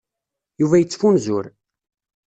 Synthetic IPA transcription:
juvæjət͡sːfunzʊɾ

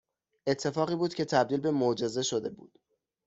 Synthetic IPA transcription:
ʔe̞t̪ʰːe̞fɒːɣiːbuːd̪cʰʲe̞t̪ʰæbd̪iːlbe̞mod͡ʒe̞ze̞ʃod̪e̞bṵːd̪̥

